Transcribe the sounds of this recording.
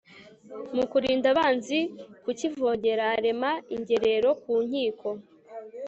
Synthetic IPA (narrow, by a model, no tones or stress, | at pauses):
mukuɾiːndaβaːnzikucivo̞ɟe̞ɾaɾe̞maiɲɟe̞ɾe̞ɾo̞kuːɲ̥iːkʰo̞